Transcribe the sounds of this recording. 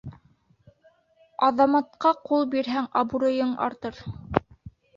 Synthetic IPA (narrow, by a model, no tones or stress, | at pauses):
ɑðɑmɑt̪̚qɑqulˠbiɾɦæŋɑbuɾɤ̆jɤɴɑ̰ɾt̪ɤɾ